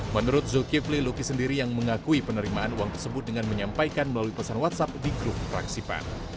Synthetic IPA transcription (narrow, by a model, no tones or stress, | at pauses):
mənuɾʊt̪̚zokiflilokisəndiɾijaŋməŋakuipənəɾimaanuwaŋt̪ərsəbʊt̪̚dəŋanməɲampajkanməlaluipasanwat̪̚sap̚diɡɾʊp̚pəɾa̰ksipa̰n